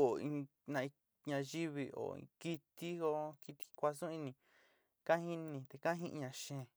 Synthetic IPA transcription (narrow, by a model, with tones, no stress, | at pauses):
o˨ĩ˧ | nã˧i˧ | ɲã˧ʒi˦βi˧o̰˨ḭ̃˧ki˧t̪i˦o˧ki˧t̪i̥˧kʷa˧sũ˦ĩ˧nĩ˧˨ | kã˦hi˦nnĩ˧t̪e˧kã˦ɦĩ˦ʔi˧ɲã˧ʃẽ˧˨